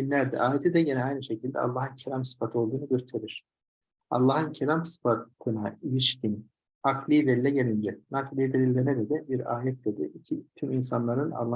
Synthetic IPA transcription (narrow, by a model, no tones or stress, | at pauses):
inlʲæɾd̪ɛ̰ʔaːjet̪ʰid̪ɛɟenɛajnɯʃe̞cʰilʲd̪ɛ̰a̰lˠːaːhɯncʰelʲamsɯ̥fat̪ʰɯo̞lˠd̪uːnuɟøɾt̪ʰeɾiɾ̝̥ | ɑ̰lˠːaːhɯncʰelʲamsɯ̥fat̪ʰɯnailʲiʃcin | aklʲˠijd̪elʲilʲɛɟelʲind͡ʒɛnaklʲˠijid̪elʲilʲdɛned̪ɛd̪ɛbiɾaːjɛt̪̚d̪e̞d̪ḭicʰit̪ʰyminsanlˠaɾɯna̰lˠː